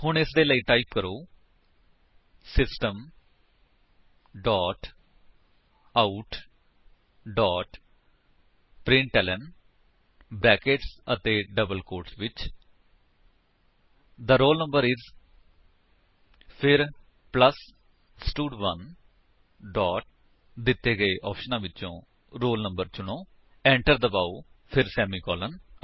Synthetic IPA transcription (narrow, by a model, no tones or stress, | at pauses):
hʊɳɪsd̪eːləiːʈaːipkəɾoː | sɪsʈəm | ɖɔːʈ | aʊʈ | ɖɔːʈ | pɾɪ̃ɳʈɛːlə̃n | bɛːkeʈsət̪eːɖəbəlkoːɾʈsʋɪt͡ʃ | d̪əɾoːlnə̃mbəɾɪz | pʰɪɾ | pləs | sʈuːɖʋən | ɖɔːʈ̚ | d̪ɪt̪ːeːɡəeʔɔːpʰʃənãːʋɪt͡ʃõː | ɾoːlnə̃mbəɾt͡ʃʊɽ̃õː | ɛ̃ːɳʈəɾd̪əbaːupʰɪɾsɛːmiːkɔːlən